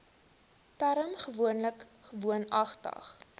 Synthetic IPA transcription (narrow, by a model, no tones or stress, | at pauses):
tæɾəmχəvuənləkχəvuənɐχtɐ̰χ